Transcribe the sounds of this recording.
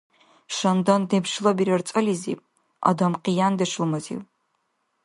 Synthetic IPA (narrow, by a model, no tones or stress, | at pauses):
ʃɐndɐndepʃɨlɐbiɾɐrt͡sʼɐlizḭː | a̰dɐmqijaːndɐʃɨlmɐzḭw